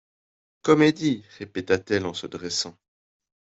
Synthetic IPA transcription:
kɔmed̪iʁepet̪at̪ɛlɑ̃səd̪ʁɛsɑ̃

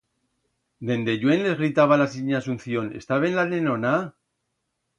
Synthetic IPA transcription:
d̪e̞nd̪e̞ʝwe̞nle̞zɣɾit̪aβalasiɲasunθjo̞ne̞̰st̪aβenlanenona

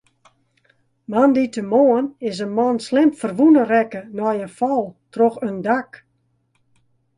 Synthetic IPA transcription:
manditəmoənɪsənmɔnslɪmfərʋunərɛkənɔjəfɔlˠtroxəndak

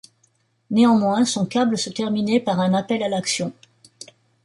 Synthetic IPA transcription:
neɑ̃mwɛ̃sɔ̃kabləsət̪ɛʁminepaʁɛ̃napɛlalaksjɔ̃

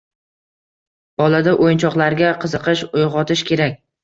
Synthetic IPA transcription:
b̥ɒlad̪aʔojnt͡ʃʰɒqlˠaɾɡʲaqʰɨzɨqɨʃojʁɒt̪ʰɪʃkʲʰe̞ɾak̚ʲ

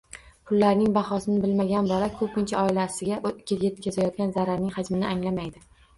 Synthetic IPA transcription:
pʰʊlːaɾnɪŋbaχɒsɪnɪbɪlmaɡʲanbɒlakʰɵpɪnt͡ʃʰaɒɪlasɪɡʲaʔkʲejet̪kʲazajɒt̪̚ɡʲanzaɾaɾnɪŋhad͡ʒmɪnɪʔaŋlamajd̪ɪ

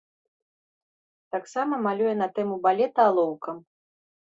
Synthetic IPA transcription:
t̪aksamɐmalʲujɛnɐt̪ɛmubalʲɛt̪ɐːlˠɔwkɐm

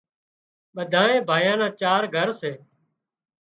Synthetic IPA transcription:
ɓəd̪ʱãːnẽːbʱaːjãːnãːt͡ʃaːɾɡʱəɾseː

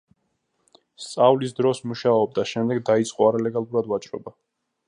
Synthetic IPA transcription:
st̪sʼavlisd̪ɾɔsmuʃaɔb̚d̪aʃɛmd̪ɛɡd̪ait̪sʼqʼɔaɾalɛɡalˠuɾad̪vat͡ʃʼɾɔ̰ba

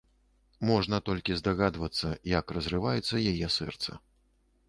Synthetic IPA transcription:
mɔʐnɐt̪ɔlʲkʲizd̪aɣad̪vɐt̪sːɐjɐkrɐzrɨvajɛt̪sːɐjajɛsɛ̰rt̪sɐ̰

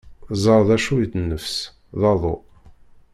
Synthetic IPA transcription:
zˤɑɾˤðæʃujəd̪nːəfs | ðɑðˤo̰

